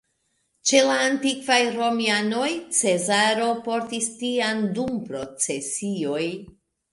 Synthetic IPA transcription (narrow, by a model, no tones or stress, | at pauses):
t͡ʃe̞laːntikvajɾo̞miano̞jt͡se̞zaɾo̞po̞ɾtistiandumpɾo̞t͡se̞sio̞j